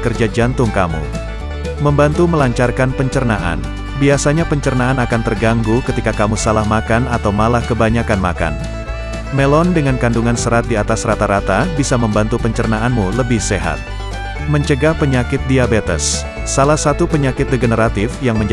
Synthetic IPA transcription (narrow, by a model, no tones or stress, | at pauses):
kərd͡ʒad͡ʒant̪ʊŋkamṵ | məmbant̪uməlaɲt͡ʃarkanpəɲt͡ʃərnaʔa̰n | biasaɲapəɲt͡ʃərnaanakant̪ərɡaŋɡukət̪ikakamusalahmakanat̪awmalahkəbaɲakanma̰ka̰n | mɛlɔndəŋankanduŋansəɾat̪̚diat̪asrat̪aɾat̪abisaməmbant̪upəɲt͡ʃərnaʔanmuləbɪhseɦa̰t̪̚ | məɲt͡ʃəɡahpəɲakɪt̪̚diabet̪ə̰sː | alahsat̪upəɲakɪt̪̚dəɡənəɾat̪ɪfjaŋməɲd͡ʒ